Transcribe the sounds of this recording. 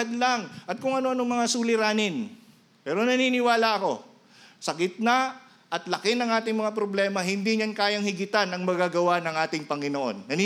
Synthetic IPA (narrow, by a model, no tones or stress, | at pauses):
d̪laŋʔɐt̪̚kʊŋɐnoʔɐnoŋmɐŋasuːlɪɾaːnɪn | pɛːɾo̞nɐniːnɪwaːlɐɐko̞̰ | sɐɡɪt̪̚na | ʔɐt̪lɐkɪnɐŋʔaːt̪ɪŋmɐŋapɾoblɛːmɐɦɪnd̪iɲankaːjɐŋhɪɡɪt̪anɐŋmɐɡaɡɐwanɐŋʔaːt̪ɪŋpɐŋɪnoʔo̞̰nːɐni